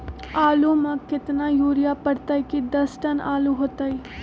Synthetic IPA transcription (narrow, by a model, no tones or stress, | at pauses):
aːlomãkɪt̪najuːɾɪjapɐɽt̪aikid̪ɐsʈɐnaːluɦoːt̪aːi